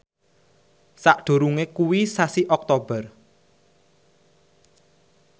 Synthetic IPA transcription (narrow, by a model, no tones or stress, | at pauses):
saʔɖ̪̥o̤ɾuŋekuwisasiʔɔk̚t̪ob̥ə̤r